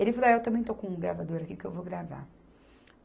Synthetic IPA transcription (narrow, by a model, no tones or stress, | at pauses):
elɪfalaewt̪ɐ̃mbẽj̃t̪okõɡɾavad̪oɾakikɪewvoɡɾava̰